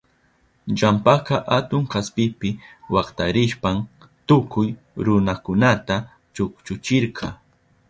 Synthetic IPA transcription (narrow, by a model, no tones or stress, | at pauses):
ʎampakɑʔat̪ʊŋkaspɪpɪwɑqt̪aɾɪʃpam | t̪ʊkʊj | ɾʊnakʊnat̪a | t͡ʃʊkt͡ʃʊt͡ʃɪɾqʰɑ